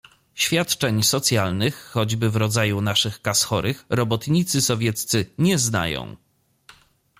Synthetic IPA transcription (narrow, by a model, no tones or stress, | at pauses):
ɕfʲjat̪t͡ʂɛɲsɔt̪sʲjalnɘxːɔd͡ʑbɘvɾɔd̪zajunaʂɘxkasxɔɾʔɘxɾɔbɔt̪ɲit̪sɘsɔvʲjɛt̪st̪sɘɲɛzna̰jɔ̰̃w̃